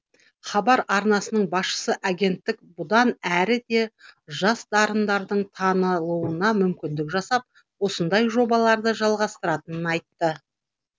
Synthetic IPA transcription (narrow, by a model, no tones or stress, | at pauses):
χɑbɑɾɑɾnɑsənəɴbɑsʃə̥səʔaɡʲe̞nt̪ːɪk̚bʊd̪ɑnæɾɪd̪e̞ʒɑsd̪ɑɾənd̪ɑɾd̪əɴt̪ʰɑnəlˠuənɑmʏmkʲɪnd̪ɪkʒɑsɑp̚ | wo̞sənd̪ɑjʒo̞bɑlˠɑɾd̪əʒɑlˠʁɑst̪əɾɑt̪ənənɑjt̪ːə